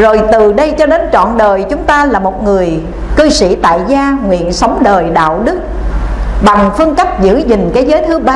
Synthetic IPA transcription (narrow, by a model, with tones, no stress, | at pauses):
zo˨˩jt̪ɨ˨˩ɗə˧jt͡ɕɔ˧ɗe˨˦nt͡ɕɔ̰˧˨nɗəː˨˩jt͡ɕʊ˨˦ŋ͡mt̪aː˧laː˨˩mo˨˩t̚ŋɨ˨˩əj | kɨ˧sḭ˧˩t̪a̰ː˧˨jzaː˧ŋwḭ˧˨ənsa˨˦wŋ͡mɗəː˨˩jɗa̰ː˧˨wɗɨ˦˥k̚ | ɓa˨˩ŋfɨ˧əŋkə˦˥p̚zɨ̰˧˥zï˨˩ŋ̟kaː˨˦jzəː˨˦jt̪ʰɨ˨˦ɓaː˧